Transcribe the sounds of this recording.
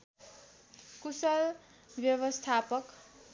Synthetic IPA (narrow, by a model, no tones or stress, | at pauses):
kusʌl | bjʌbʌst̪ʰapʌk